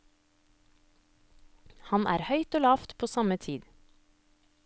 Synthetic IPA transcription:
hɑnʔæ̰ːɾhœʏt̪oːlɑːft̪pʰoːsɑmət̪ʰiːd̪

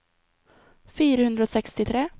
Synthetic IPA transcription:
fyːɾahɵnd̪ɾaosɛkst̪ɪt̪ʰɾeː

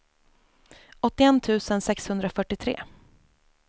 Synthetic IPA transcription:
ɔt̪ːɪɛnt̪ʰʉ̟ːsənsɛkshɵnd̪ɾafœʈːɪt̪ʰɾḛː

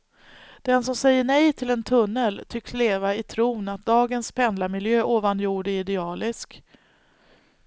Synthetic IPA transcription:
d̪̥ɛnsɔmsɛjːəɳɛjt̪ʰɪlɛnt̪ʰɵnːəlt̪ʰʏkːsleːvaɪt̪ʰɾuːnat̪̚d̪ɑːɡənspʰɛnd̪lamɪljøːʔoːvanjuːɖəɪd̪ɛɑːlɪsk

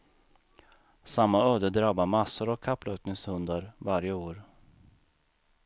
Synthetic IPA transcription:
samːaœːd̪əd̪ɾabamasːʊɾɔkʰːapːlœːtnɪŋshɵnd̪aɾvaɾjəoːɾ

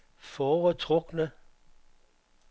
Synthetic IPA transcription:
fɒːʁət͡sʰʁɔɡ̥nə

